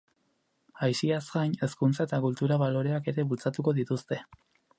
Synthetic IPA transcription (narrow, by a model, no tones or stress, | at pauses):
ajsiazɡajne̞skunt͡saet̪akult̪uɾaβalo̞ɾeake̞ɾe̞βult͡sat̪uko̞ðit̪ust̪e̞